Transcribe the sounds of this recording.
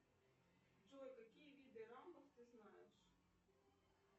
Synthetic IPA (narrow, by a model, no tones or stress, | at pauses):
d͡ʒɔjkɐkʲijʋʲid̪ɛɾɑwnɔxt̪ɪznɑjeʃ